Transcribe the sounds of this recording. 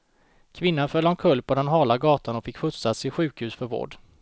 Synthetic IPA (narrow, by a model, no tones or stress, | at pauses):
kʰvɪnːanfœlːamkʰɵlːpʰɔd̪ɛnɦɑːlaɡɑːt̪ʰanɔfɪkːfʊt̪sat̪sɪɧʉ̟ːkhʉ̟ːsfœɾvo̰ːɖ